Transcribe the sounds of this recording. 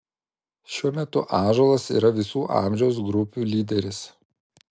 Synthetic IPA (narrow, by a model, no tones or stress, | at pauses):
ʃʲuɔmʲɛt̪ʊʔɑːʒoːlˠɐsḭːɾɐʋʲɪsuːʔɑ̰ˑmʲʒʲɛʊs̬ɡɾʊpʲuːlʲiːd̪ʲɛɾʲɪs